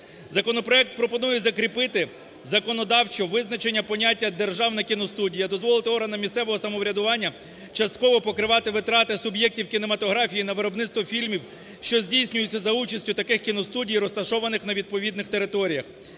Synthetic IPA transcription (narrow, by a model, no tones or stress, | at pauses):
zɐkɔnɔpɾɔɛk̚t̪̚pɾɔpɔnujɛzɐkɾʲipɪt̪ɪ | zɐkɔnɔd̪ɑwt͡ʃɔʋɪznɐt͡ʃenʲːɐpɔnʲatʲːɐd̪erʒɑwnɐkʲinɔst̪udʲijɐd̪ɔzʋɔlˠɪt̪ɪɔɾɦɐnɐmʲisɛʋɔɦɔsɐmɔʋɾʲɐd̪ʊʋɑnʲːɐ | t͡ʃɐst̪kɔʋɔpɔkɾɪʋɑt̪ɪʋɪt̪ɾɑt̪ɪsʊbjɛk̚tʲiwkʲinemɐt̪ɔɦɾɑfʲijinɐʋɪɾɔbnɪt̪st̪ʋɔfʲilʲmʲiw | ʃt͡ʃɔzʲdʲijsʲnʲʊjʊt͡sʲːɐzɐut͡ʃɐsʲtʲʊt̪ɐkɪxkʲinɔst̪udʲijɾɔst̪ɐʃɔʋɐnɪxnɐʋʲid̪̚pɔʋʲid̪nɪxt̪e̞ɾɪt̪ɔɾʲijɐx